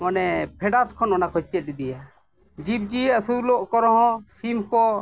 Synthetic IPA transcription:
mɔnɛpʰɛɖat̪̚kʰɔnɔnakɔt͡ʃɛt̪̚ɾid̪ija | d͡ʒip̚d͡ʒiəsulɔʔkɔɾɔɦɔ̃simkɔ

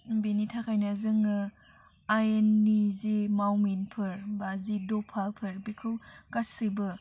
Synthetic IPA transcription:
benitʰakʰajnazɯŋɯ | aenːizimawminpʰɯɾbazidɔpʰalpʰɯɾbikʰɯwkasibɯ

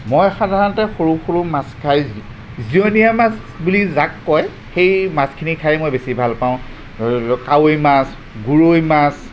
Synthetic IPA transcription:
mojxadʱaɹnɔtɛxoɹuxoɹumaskʰaj | zionijamas | bulizakːɔj | xejmaskʰinikʰajɛmojbesibʱalpaʊ̃ | kawojmas | ɡuɹojmas

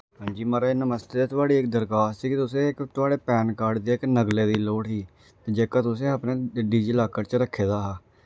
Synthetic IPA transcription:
ɦãːɲd͡ʒiːməɾaenəməst̪eːd̪eːt̪ʊaːɽiːɪk̚d̪əɾkaːssiːkɪt̪ʊsẽːɪkt̪ʊaːɽeːpɛːnkaːɾɖd̪iːɪknəɡleːd̪iːloːɽɦiː | t̪ed͡ʒeːkãːt̪ʊsẽːəpneːɖiːd͡ʒiːlaːkəɾt͡ʃəɾəkʰːeːd̪aːɦaː

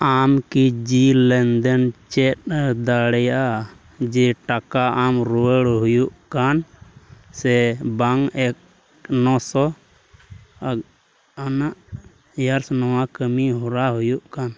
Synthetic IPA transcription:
amkid͡ʒilɛnd̪ɛnt͡ʃɛt̪̚d̪aɽɛjaʔa | d͡ʒɛʈakaamɾuwəɽɦujuʔkan | sɛbaŋɛk̚ | nɔsɔ | anaʔ | jaɾsnɔwakəmiɦɔɾaɦujuʔkan

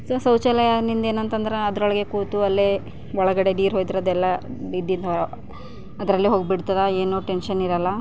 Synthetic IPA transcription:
soːsɐwt͡ʃɐlɐjɐnind̪eːnɐnt̪ɐnd̪ɐɾeɐd̪ɾɔɭɐɡe̞kuːt̪uɐlːe | ɔɭɐɡɐɽe̞ɖiːɾɦoːjd̪iɾod̪ɛlːɐid̪ːind̪ɐ | ɐd̪ɾɐlːiɦoːɡbiɽt̪ɐd̪ɐeːnuːʈenʃɐniɾɐlːɐ

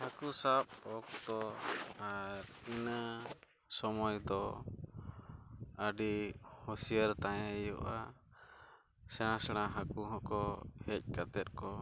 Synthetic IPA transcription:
hakusap̚ɔkt̪ɔaɾina | sɔmɔjd̪ɔ | əɖihɔsijəɾt̪aɲɛ̃jɔ̰ʔa | sɛɽ̃ãsɛɽ̃aɦakuɦɔ̃ʔkɔhɛc̚ˀkat̪ɛt̪̚ˀkɔ

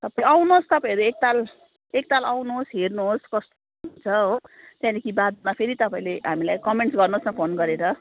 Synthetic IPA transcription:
t̪ʌpaĩawnost̪ʌpaĩɾuek̚t̪al | ek̚t̪alawnuɦosɦernuɦoskʌst̪o | nunt͡sʰʌɦo | t̪jãnikibad̪mapʰeɾit̪ʌpaĩleɦamilajkʌmeɳʈsɡʌrnosmapʰonɡʌɾeɾʌ

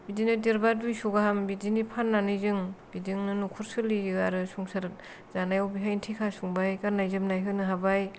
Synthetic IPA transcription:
bidinɯdiɾbadujsuɡaɦambidinipʰanːanɯjzɯŋb̥idiŋnɯnukʰuɾsɯliɯaɾɯsuŋsaɾɯt̚ | z̥anajawbiɦajntʰikʰasuŋbajkaɾnajzɯmnajɦɯnɯɦabaj

